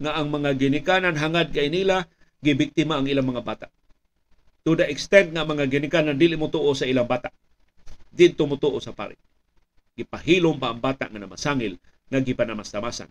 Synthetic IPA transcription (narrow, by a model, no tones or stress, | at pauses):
ŋaʔaŋmaŋaɡɪnɪkananɦaŋad̪̚kajniːla | ɡɪbɪk̚t̪imaːŋilaŋmaŋabaːt̪aʔ | t̪udaʔɪkst̪ɛnk̪̚ŋaʔːŋmaŋaɡɪnɪkanand̪ilɪʔmʊt̪uʔosaʔilaŋbat̪aʔ | d̪ɪd̪̚t̪omʊt̪uʔosapa̰ɾɪ̰ʔ | ɡ̥ɪpahilʊmpaʔaŋbaːt̪a̰ʔŋanama̰saŋɪl | ŋaɡɪpanamast̪amasa̰n